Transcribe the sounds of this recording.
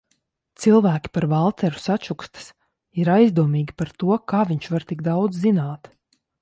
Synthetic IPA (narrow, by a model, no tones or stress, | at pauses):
t̪silˠvæːkʲi̥paɾvalˠt̪ɛɾu̥sat͡ʃukst̪ə̥s | iɾajzd̪uɔmiːɡʲipaɾt̪uɔkaːviɲʃvaɾt̪iɡd̪awd̪zzinaːt̪